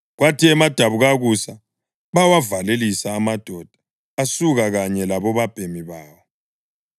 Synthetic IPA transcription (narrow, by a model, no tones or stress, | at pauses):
ɣwatiɛmad̥ʱaβuɣaɣusa | βawavalelisaːmad̥ʱɔd̥ʱḁː | suɣaɣaɲɛlaβɔβab̥ʱemiβaːβɔ